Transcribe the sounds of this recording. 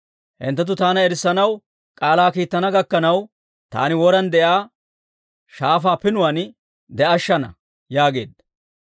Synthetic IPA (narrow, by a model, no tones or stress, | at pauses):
hɪ̰nt̪ːɐt̪̬ːʊt̪aːnɐɛɾɪsːɐnɐw | kʼaːlaːkiːt̪ːɐnɐɡɐkːɐnɐw | t̪a̰ːnɪwɔɾɐnd̪ɛʔaː | ʃaːfaːpɪnʊwaːn | d̪ɛʔɐʃːɐnɐ̰ | jaːɡe̞̰ːd̪ːɐ